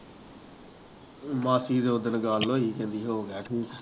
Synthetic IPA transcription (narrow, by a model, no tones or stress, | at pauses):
mãːsiːd̪ood̪ənɡaːlːoːɦiːkẽːnd̪iːɦoːɡaːʈʰiːk